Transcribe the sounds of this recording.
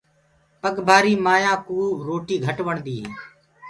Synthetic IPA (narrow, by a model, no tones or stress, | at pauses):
pəɠbʱaːɾiːmaːjãːkuːɾoːʈiːɡʱəʈʋəɳd̪iːɦeː